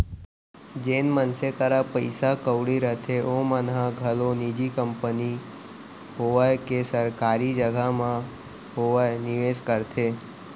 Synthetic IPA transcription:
d͡ʒenmənsekəɾapəɪsakəwɽiɾət̪ʰeʔomənɦãɡʱəlonid͡ʒikəmpəni | ɦoʋajkesəɾkaːɾid͡ʒəɡʱamã | ɦoʋənɪʋeskəɾt̪ʰe

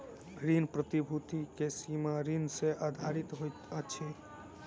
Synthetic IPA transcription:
ɡɾinpɾət̪ibʱut̪ikesimaɾinseʔad̪ʱaɾit̪ɦojt̪ət͡ʃʰi

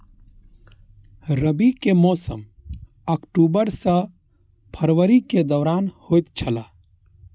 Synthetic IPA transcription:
ɾəbikemɔːsə̰m | əkʈuːbəɾsə̃ | pʰəɾwəɾiked̪ɔːɾaːnhoːjt̪t͡ʃʰəlaː

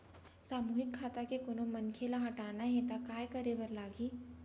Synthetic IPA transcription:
saːmuːɦɪkʰːaːt̪akekoːnomɐnkʰelaɦɐʈaːnaɦɛ̃t̪akaːjkɐɾebɐɾlaːɡiː

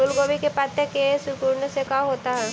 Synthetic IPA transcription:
ʊlɡoːʋikepat̪ekesʊkuɾnəsekaɦoːt̪aɦɛː

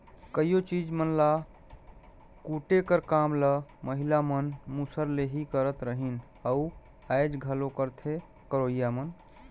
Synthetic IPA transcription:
kəijot͡ʃid͡ʒmənla | kuʈekəɾkamləməɦilamənmusəɾleɦikəɾət̪ɾəɦin | əu | ajd͡ʒɡʱəlokəɾt̪ʰe | kəɾoijamən

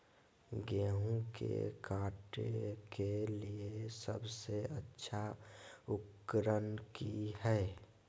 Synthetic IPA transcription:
ɡeːɦũkḛkaːʈḛkeliesəbseətːʃʰaʊkːɾənkiɦɛe

